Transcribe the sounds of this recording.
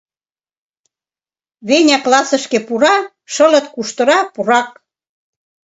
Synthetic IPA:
βenʲæklɑsə̆ʃkepuɾɑ | ʃɤ̆lɤ̆t̪kuʃt̪ɤ̆ɾɑpuɾɑk̚

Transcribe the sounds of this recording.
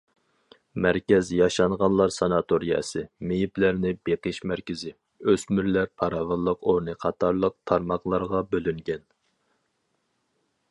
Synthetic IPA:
mæɾkʲɛzjɑʃɑɴʁɑnlˠɑɾsɑnɑt̪ʰoɾijɛ̰sɨmejiplæɾnɪbeqəʃmæɾkʲɪzɪ | øsmyɾlæɾpʰɑɾɑvɑlˠːəqoɾnɨqʰɑt̪ʰɑɾlˠəq̚t̪ʰɑɾmɑχlˠɑɾʁɑbølyŋɡʲɛn

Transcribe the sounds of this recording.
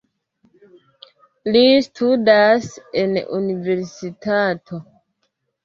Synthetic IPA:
listʰudase̞nṵnive̞ɾsitatʰo̞

